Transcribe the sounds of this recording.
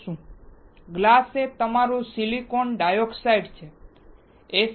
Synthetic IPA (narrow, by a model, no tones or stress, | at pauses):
ʃũ | ɡlaset̪əmaɾũsilikonɖajoksajɖt͡ʃʰe | e